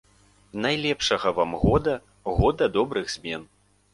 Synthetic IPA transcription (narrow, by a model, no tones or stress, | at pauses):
najlʲɛpʂɐɣɐvamɣɔd̪ɐ | ɣɔd̪ɐd̪ɔbɾɨɣz̥ʲmʲɛn